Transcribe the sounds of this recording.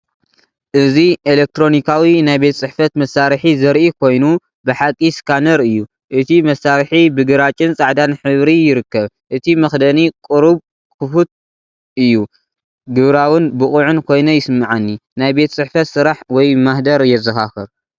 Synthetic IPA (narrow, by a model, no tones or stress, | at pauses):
ʔɨziʔelek̚t̪ɾo̞nikʰawinajbe̞t̪t͡sʼɨħfɐt̪mɐsːaɾħizɐɾʔikʰo̞jnu | bɨħakʼːiskʰanɐɾɨjːu | ʔɨt̪ʰimɐsːaɾħibɨɡɨɾat͡ʃʼɨnt͡sʼaʕd̪anħɨβɾijɪɾɨkːɐβ | ʔɨt̪ʰimɐxd̪ɐnikʼɨɾuβ | kʰɨfut̪̚ | ɨjːu | ɡɨβɾawɨnbɨχʼuʕɨnkʰo̞jnɐjɪsɨmːaʕanːinajbe̞t̪sʼɨħfɐt̪sɨɾaħwɔjmahd̪ɐɾjɛzɐxaxɨɾ